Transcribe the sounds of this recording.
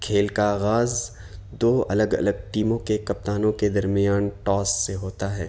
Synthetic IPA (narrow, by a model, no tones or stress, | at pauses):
kʰeːlkaːɣaːz | d̪oːɐ̰ləɡɐ̰ləɡ̚ʈiːmõkekɐp̚t̪aːnõked̪ɐɾmijaːnʈɔːsːeɦoːt̪aɦɛː